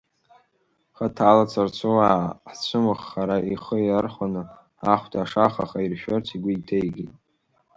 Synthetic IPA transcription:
χatʰaːlat͡sʰart͡ɕʷʰowaħt͡ɕʷʰɨmɨχːaɾaʔiχəiarχʷanɨ | aχʷtʰʼaʂaχaχairʃᶣortʰiɡʷʊitʰejɡʲitʼ

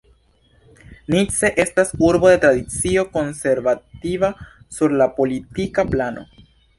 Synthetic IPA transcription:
nit͡se̞ʔe̞stasuɾbo̞de̞tɾad̪it͡sio̞ko̞nse̞ɾvativasuɾlapo̞litikaplano̞̰

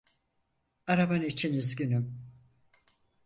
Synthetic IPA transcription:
aɾabanit͡ʃʰinizɟynym

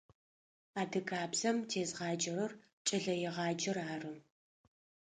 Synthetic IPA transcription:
aːdɨkʰʼaːbzɐmtʰeːzʁɑːd͡ʒʼɪɾɨr | t͡ʃʼɪɮɐjɛʁɑːd͡ʒʼɪraːrɨ

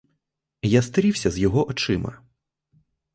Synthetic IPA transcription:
jast̪ɐɾʲiwsʲɐzjɔɦɔʔɔt͡ʃɪmɐ̰

